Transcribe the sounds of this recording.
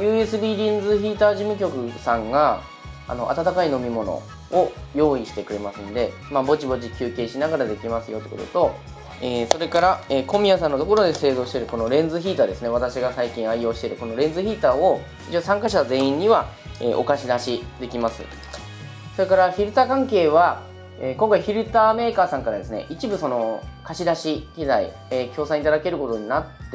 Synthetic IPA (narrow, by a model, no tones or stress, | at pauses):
jɯ̟ːe̞sɨbʲiːɾʲĩnd͡zɨçiːt̪aːʑimɯ̟k̬ʲo̞kɯ̟sãŋɡa | a̰no̞ʔa̰t̪at̪akaino̞mʲimo̞no̞̰ | ojo̞ːiɕi̥t̪e̞kɯ̟ɾe̞masɨnod̪e̞ | mabo̞t͡ɕibo̞t͡ɕikʲɨːkʲe̞ːɕinaɡaɾad̪e̞kʲimasɨjo̞t̪ekot̪ot̪o̞ | eːso̞ɾe̞kaɾaeːko̞mʲiasãnːo̞t̪o̞ko̞ɾo̞d̪e̞se̞ːzo̞ːɕi̥t̪e̞ɾɯ̟ko̞no̞ɾẽ̞nzɨçiːt̪ad̪e̞sɨne̞βat̪aɕiɡasaikʲĩɰ̃aio̞ːɕi̥t̪e̞ɾɯ̟ko̞no̞ɾẽ̞nd͡zɨçiːt̪aːo̞ | it͡ɕoːsãŋkaɕit̪aze̞ːĩɲ̟ːiβa | ḛːʔo̞̰kaɕid̪aɕid̪e̞kʲimasɨ̰ | so̞ɾe̞kaɾaçʲiɾɯ̟t̪akãŋke̞ːβa | eːkõŋkaiçiɾɯ̟t̪aːme̞ːkaːsãŋkaɾad̪e̞sɨne̞̰ʔit͡ɕibɯso̞no̞kaɕid̪aɕikʲid̪aḭ | ekʲʰo̞ːsãɰ̃it̪ad̪ake̞ɾɯ̟ko̞t̪o̞ɲ̟inat̪ːe